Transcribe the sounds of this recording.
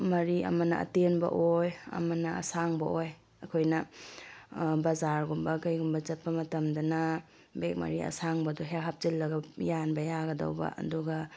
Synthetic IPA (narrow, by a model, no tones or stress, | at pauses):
mɐɾiʔɐ̰mɐnɐʔɐ̰tenbɐ̰ʔojɐ̰mɐnɐɐ̰saŋbɐ̰oj | ɐkʰojnɐ | bɐzaɾɡumbɐkɐjɡumbɐt͡ʃɐt̚pɐmɐtɐmdɐnɐ | bek̚mɐ̰ɾiɐ̰saŋbɐdɔɦeɦap̚t͡ʃilːɐɡɐjanbɐjaɡɐdɐ̰wbɐ̰ʔɐ̰duɡɐ